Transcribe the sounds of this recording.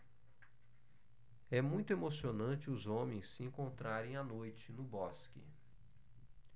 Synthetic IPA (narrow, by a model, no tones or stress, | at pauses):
ɛmũj̃t̪ʊemosionɐ̃t͡ʃɪʊzõmẽj̃sːɪẽŋkõnt̪ɾaɾẽj̃anojt͡ʃɪnʊbɔskɪ̰